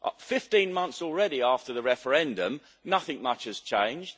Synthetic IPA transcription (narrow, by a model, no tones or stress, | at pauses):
ʔfɪftĩnmʌ̃nθsɔlˠɹɛɾiɑˑftəðəɹɛfə˞ɛ̃ndə̃m | nʌθɪ̃ŋmʌt͡ʃɨz̥t͡ʃʰẽɪ̃nd͡ʒd̥